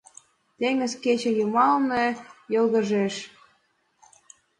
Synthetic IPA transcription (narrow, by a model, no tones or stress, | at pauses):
t̪eŋə̆zket͡ɕĕjumɑlnɤjɤlɣə̆ʒeʃ